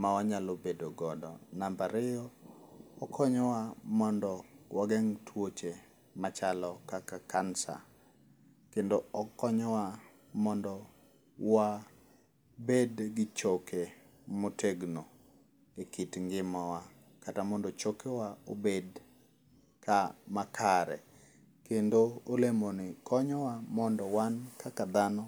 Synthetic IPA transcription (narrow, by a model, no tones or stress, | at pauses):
mawaɲalobedoɡɔdɔnambaɾɪjɔ | ɔkʰɔɲɔwamɔndɔwaɡɛŋtʰwot͡ʃe | mat͡ʃalɔkakakansa̰ | kendoɔkɔɲɔwa | mɔndɔ | wa | bedɡɪt͡ʃokʰe | motʰeɡno | ekitŋɡɪmɔwa | katamɔndɔt͡ʃokewaobed | kamakʰaɾɛ̰ | kendoolemonɪkʰɔɲɔwamɔndɔwankakad̪anɔ